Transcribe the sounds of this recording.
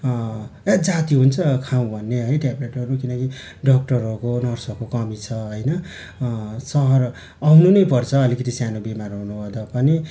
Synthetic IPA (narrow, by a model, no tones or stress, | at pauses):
ad͡zat̪iɦunt͡sʰʌkʰaw̃bʱʌnːeɦʌjʈempreʈʌɾukinʌki | ɖʌk̚ʈʌrʌɾukonʌrsʌkokʌmit͡sʰʌɦʌjnʌ | sʌɦʌr | awnunʌjpʌrt͡sʰʌːlikʌt̪isjanobimarɦonubʱʌd̪apʌni